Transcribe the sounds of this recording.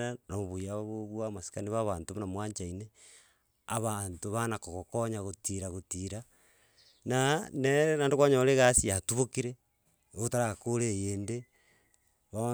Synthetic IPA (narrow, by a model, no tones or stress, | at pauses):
anamoβujaβaβoβwamasi̥kaniβaβantomonamwaːɲt͡ʃaine | a̰βantoβanakokokoɲaɣotiɾaɣotiɾa | naneɾnandokaɲoleɣasiatuβokiɾe | ootaɾakoɾejeːnde | βaβa